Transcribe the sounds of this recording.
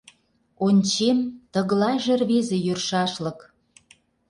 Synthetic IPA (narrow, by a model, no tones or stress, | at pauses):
onʲt͡ɕemt̪ə̆ɣlɑʒerβezejørʃɑʃlə̆k